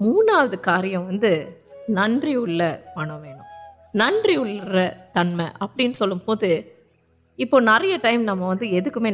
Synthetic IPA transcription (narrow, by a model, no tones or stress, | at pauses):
muːnaːʋɐðɯkaːɾɪjɐ̃ʋɐnd̪ɯnɐɳdriʊɭːɐpɐɳɐʋeːɳɯ̰̃ | nɐɳdriʊɭːɾɐt̪ɐnmɐʔɐpːɐɽɪnːɯsɔlːɯmpoːðɯ | ɪpːoːnɐɾɐjɐʈɐɪmnɐmːɐʋɐnd̪ɯɛðɯkːɯmeː